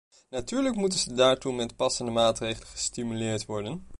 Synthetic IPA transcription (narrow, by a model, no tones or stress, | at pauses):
natyːɹləkmutənzədaːɹtumɛtpɑsəndəmaːtrejχələnχəstimylɪːɹtʋɔɹdən